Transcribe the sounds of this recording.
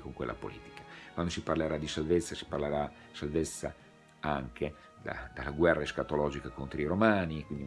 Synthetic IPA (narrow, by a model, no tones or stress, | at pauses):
koŋkwelːʔa̰po̰lḭːt̪i̥kḁkwand̪osiparleɾad̪ːisalvet̪sːasi̥parleɾa | salvet̪sːa | aŋke | d̪a̰d̪alːaɡwɛrːaeskat̪olɔːd͡ʒikakont̪ɾoiɾomaːnikwind̪i